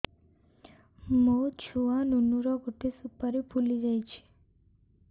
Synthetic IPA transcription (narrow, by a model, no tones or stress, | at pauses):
mot͡ʃʰuʋanunuɾɔɡoʈesupəɾepuliɾəjt͡ʃʰe̥